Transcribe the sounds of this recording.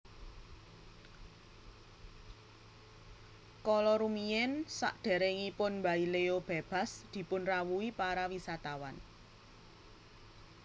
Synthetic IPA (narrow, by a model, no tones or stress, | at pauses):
kɔlɔɾumijɛnsa̰ʔɖ̪̥ɛ̤ɾeŋipʊnmbaileob̥e̤b̥a̤sd̪̥i̤pʊnrawuipaɾawisat̪awan